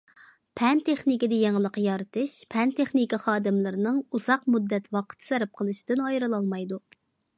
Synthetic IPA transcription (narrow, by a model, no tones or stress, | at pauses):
pʰɛnt̪ʰeχnikʲid̪ɛjeŋəlˠəqjɑɾɨt̪ʰɨʃpʰɛnt̪ʰeχnikiχɑːd̪ɪmlɨɾɪnɨŋuz̥ɑqmud̪ːɛt̪wɑqʰə̥t̪ʰsɛɾɪp̚qʰəlˠɨʃi̥d̪̥ɪnɑjɾɨlˠɑlˠmɑjd̪u